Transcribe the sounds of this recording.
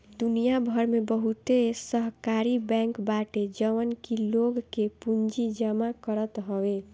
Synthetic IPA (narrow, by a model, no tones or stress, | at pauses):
d̪unijabʱəɾmebəɦut̪esəɦkaɾibɛ̃ŋkbaʈed͡ʒəʋənkiloɡkepund͡ʒid͡ʒəmakəɾət̪ɦəwe